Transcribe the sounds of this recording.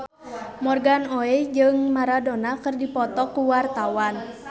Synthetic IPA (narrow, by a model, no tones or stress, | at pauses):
mɔrɡanoɛd͡ʒɨŋmaɾadonakərdipɔt̪ɔkuwart̪awan